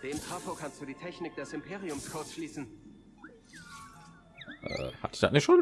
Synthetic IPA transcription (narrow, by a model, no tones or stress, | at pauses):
d̥eːmtʁ̥afoɐkʰanstd̥uːdiːtʰɛçnɪk̚d̥ɛsɪmpʰeːʁiʊmskʰʊɐsʃliːsn̩ | ʔɛ̰ha̰td̥a̰nɪʃoːn